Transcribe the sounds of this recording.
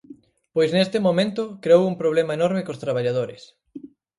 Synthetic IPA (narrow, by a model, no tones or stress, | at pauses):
pojsnest̪ɪmomẽnt̪ʊkɾeowuŋpɾoβ̞lemɐenoɾmekost̪ɾaβ̞aʎað̞oɾɪ̰s